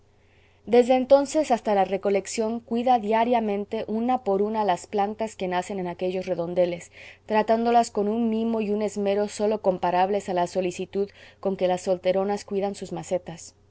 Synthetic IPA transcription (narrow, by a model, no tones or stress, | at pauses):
d̪e̞zðe̞ːnt̪o̞nse̞sast̪alare̞ko̞le̞ksjo̞ŋkwiðaðjaɾjamẽnt̪e̞ʔunapo̞ɾunalasplant̪aske̞nase̞ne̞nake̞ʝo̞sreðo̞nd̪e̞lest̪ɾat̪and̪o̞lasko̞nunmimo̞june̞zme̞ɾo̞so̞lo̞ko̞mpaɾaβle̞salaso̞lisit̪uðko̞ŋke̞lasːo̞lt̪e̞ɾo̞naskwiðansuzmase̞t̪as